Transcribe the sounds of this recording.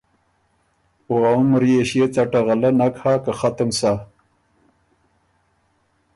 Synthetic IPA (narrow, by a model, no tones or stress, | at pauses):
oamɾieɕiet͡saʈaʁalanakhaːkaxat̪əmsa